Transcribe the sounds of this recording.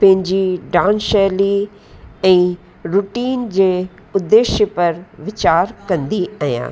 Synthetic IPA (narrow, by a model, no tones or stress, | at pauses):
pɐ̃ɦɪ̃ɲd͡ʑiɖãːnʃɛːli | ɛ̃ː | ɾuʈiːnd͡ʑeː | ʊd̪ːeːʃjəpɐɾʋɪt͡ɕaːɾkɐ̃nd̪iaːɦjã̰ː